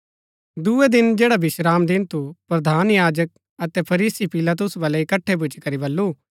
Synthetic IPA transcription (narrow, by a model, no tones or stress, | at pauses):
d̪uːed̪ɪnd͡ʒɛːɽabɪʃɾaːmd̪ɪnt̪ʰupɾɐd̪ʱaːnjaːd͡ʒək̚ | ɐt̪ɛpʰɐɾiːsipɪlaːt̪̬ʊsbɐlɛɪkɐʈʰːep̬ʊt͡ʃkɐɾibɐlːuː